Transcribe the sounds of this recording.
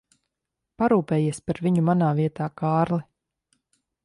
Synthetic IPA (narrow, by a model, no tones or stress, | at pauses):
paɾuːpɛːjiɛspaɾviɲumanaːviɛt̪aːkaːɾlˠi